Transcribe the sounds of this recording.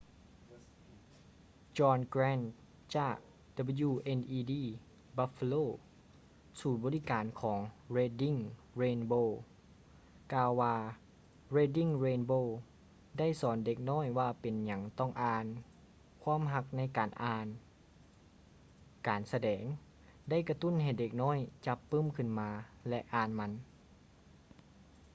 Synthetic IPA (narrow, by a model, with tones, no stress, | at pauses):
t͡ɕɔː˧nkɾɛː˧˥˨n | t͡ɕaː˧˩k̚ | da˧be˧juː˧˩ʔe˧˨nʔiː˧diː˧˥˩ | ba˧˥fa˧loː˧˩ | suː˨˩nbɔː˧˦li˦˧kaː˨nkʰɔː˩˦ŋɾeː˧di˧˥˨ŋɾeː˧nboː˧˨ | kaː˧wːaː˧ | ɾeː˧di˧˥˩ŋɾeː˧nboː˧˨ | da˥˩˨jsɔː˨˦nde˧k̚nɔː˥˨jwaː˧pe˨nɲa˨˦ŋt̪ɔ˥˩ŋʔaː˧˩n | kʰwaː˧˥˨mɦa˧k̚na˧˥˨jkaː˨˩nʔaː˧n | kaː˨nsa˧dɛː˩˦ŋ | da˥˩˨jka˧t̪u˥˨nha˧˩jde˧˩k̚nɔː˥˨jt͡ɕa˧˦pːɤː˥˨mkʰɯ˧˥˨nmaː˧lɛ˧ʔaː˧˩nma˧˥n